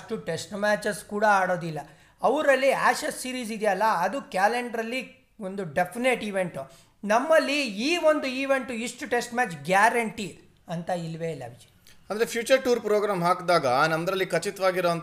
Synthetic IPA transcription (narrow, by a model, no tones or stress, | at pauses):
ʈuʈesʈmaːt͡ʃɐskuːɽɐaːɽo̞ːd̪ilːɐ | ɐʋɾɐlːiaːʃɐsːiːɾiːs̬id̪jɐlːɐːd̪ukjaːleɳɖɾɐlːi | ond̪uɖe̞pʰineʈiʋe̞ɳʈu | nɐmːɐlːiiːʋo̞nd̪uiːʋe̞ɳʈuiʂʈuʈe̞sʈmaːt͡ʃɡjaːɾɐɳʈi | ɐnt̪ɐilʋelɐ̰bʱid͡ʒi̥ | ɐnd̪ɐɾepʰjuːt͡ʃɐɾʈuːɾpɾoːɡɾaːmɦaːkd̪aːɡɐnɐmɐd̪ɾɐlːikɐt͡ʃit̪ʋaːɡiɾoɐnt̪